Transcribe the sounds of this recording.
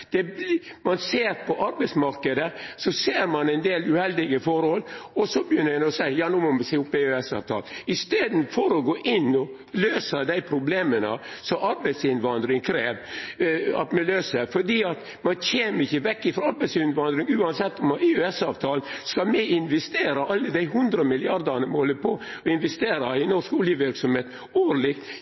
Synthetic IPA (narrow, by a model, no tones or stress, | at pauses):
d̪̥ɛbmɑnseːɾpʰɔʔɑɾbɛɪtsmɑɾkəd̪əsɔseːɾmɑnɛɪnd̪eːlʉhɛld̪ɪɡəfɔɾhɔlɔsɔbəjʏnːəɾmɛnɔsæɪjɑːnuːmɔmɛsɛɪʊpːeøɛsɑ̰ːʋt̪ʰɑ̰ːlɪst̪eːd̪n̩fɔɾɔɡoːʔɪnːɔ | løːsəd̪æɪpʰɾʊbleːmənə̰sɔɑɾbɛɪt̪sɪnʋɑnd̪ɾɪŋkʰɾeːʋ | ɑ̰t̪mɛløːsəfɔɖiːɑt̪ | mɑnçʰeːməɾɪçəʋɛkːɪfɾɑːɑɾbæɪsɪnʋɑnd̪ɾɪŋʉːɑnsɛt̪ːɔmøɛsɑːʋt̪ʰɑːlnskɑlmɛɪnʋɛst̪eːɾəʔɑlːəd̪æɪɦʉnd̪ɾəmɪlɪɑɾd̪ənəmɛhɔlːəpʰɔɔɪnʋɛst̪eːɾɑɪnɔʂkʊljəʋɪɾksɔmheːt̪ | oːʋəɭɪkt̪